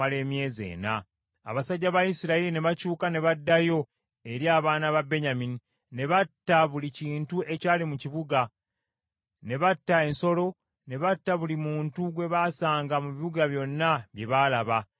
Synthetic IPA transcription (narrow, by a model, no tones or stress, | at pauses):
ale̞ːmje̞ːze̞̰ːna̰ː | βasaɟːaβajisiɾailine̞βacuːkane̞βadːajo̞ | e̞ɾjaːβaːnaβabe̞ɲamini | ne̞βatːaβuliciːntuʔe̞caːlimuciβuɡa | ne̞βatːae̞nso̞lo̞ | ne̞βatːaβulimuːntuɡwe̞βaːsaːŋɡamuβiβuɡaβjo̞nːaβje̞βaːlaβa